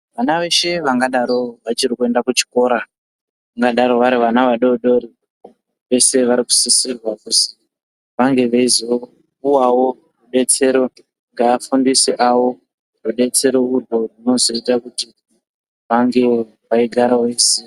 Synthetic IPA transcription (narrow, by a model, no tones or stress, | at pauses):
ʋanaʋe̞ʃe̞ʋaŋɡaɗaɾo̞ʋat͡ʃiɾikue̞ndakut͡ʃi̥ko̞ːɾa | aŋɡaɗaɾo̞ʋaɾiʋanaʋaɗoɗo̞ɾi | ʋe̞se̞ʋaɾiku̥sisirwakusi | ʋaŋɡe̞ʋaizo | puwawo̞ | ruɓe̞t͡se̞ɾo̞ | ŋɡaːfundiseʔawo̞ | ruɓe̞t͡se̞ɾo̞urwo̞rino̞zo̞itakuti | ʋaŋɡe̞ | ʋaiɡʱaɾawe̞ːse